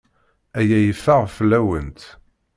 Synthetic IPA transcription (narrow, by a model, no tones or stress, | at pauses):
æjæjəfːaʁflæwə̰nt̪